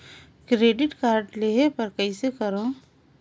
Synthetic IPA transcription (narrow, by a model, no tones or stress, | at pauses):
kɾeːɖɪʈkaːɾɖleːɦepɐɾkəisekəɾõ